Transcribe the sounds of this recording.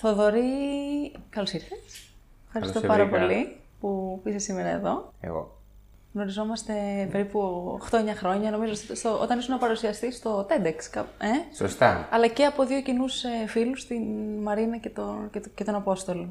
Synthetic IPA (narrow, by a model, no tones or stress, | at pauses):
θoðo̞ɾi | kɐlosiɾθes | fxɐɾisst̪opɐɾɾɐpo̞li | pupisesimeɾɐeðo̞ḛɣo̰ | ɣno̞ɾizo̞mɐst̪e̞pe̞ɾipuxt̪oeɲɐxɾo̞ɲɐno̞mizost̪st̪oʔo̞̰t̪ɐnisunɐpɐɾusiɐst̪ist̪o̞t̪e̞d̪ekskɐpeso̰st̪a̰ɐlɐce̞ɐpo̞ðio̞cinusefilust̪inmɐɾinɐce̞t̪oecet̪o̞nɐpo̞st̪o̞lo